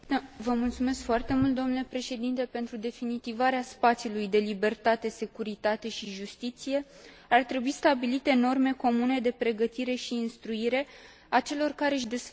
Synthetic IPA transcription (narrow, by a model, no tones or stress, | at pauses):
vəmult̪sume̞skfoart̪e̞mult̪̚d̪o̞mnule̞pɾe̞ʃe̞d̪int̪e̞pe̞nt̪ɾud̪e̞finit̪ivaɾeaspat̪siulujd̪e̞libe̞rt̪at̪e̞se̞kuɾit̪at̪e̞ʃiʒust̪it̪sije̞ | art̪ɾe̞buist̪abilit̪e̞no̞rme̞ko̞mune̞d̪e̞pɾe̞ɡət̪iɾe̞ʃiːnst̪ɾuiɾe̞ | at͡ʃe̞lo̞rkaɾe̞ɨʃ̬d̪es